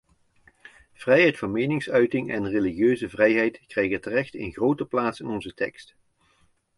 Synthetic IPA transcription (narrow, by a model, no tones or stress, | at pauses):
v̥rɛjɦɛjtfɑnmejnɪŋsœɥtɪŋɛnreliχjøɥzəvrɛjɦɛjtkrɛjɣətərɛxtɪ̰nχrowtəplaːtsɪnɔnzətɛ̰kst